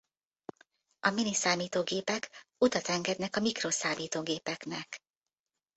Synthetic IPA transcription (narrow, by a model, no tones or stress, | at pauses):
ɒminisaːmiːt̪oːɡeːpɛkut̪ɒt̪ɛŋɡɛd̪nɛkɒmikroːsaːmiːt̪oːɡeːpɛknɛk